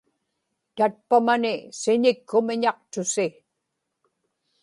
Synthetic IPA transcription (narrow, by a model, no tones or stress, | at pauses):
t̪at̪̚pamanɪsɪɲɪkʰːʊmɪɲɑq̚t̪ʊsɪ